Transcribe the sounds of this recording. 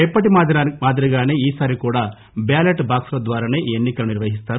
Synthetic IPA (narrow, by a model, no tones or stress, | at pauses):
ɛpːɐʈimaːd̪iɾiɡaːne̞ːiːsaːɾikuːɽaː | baːleʈbaːksulɐd̪ʋaːɾaːne̞ːʔienːikɐluniɾʋɐɦist̪aːɾu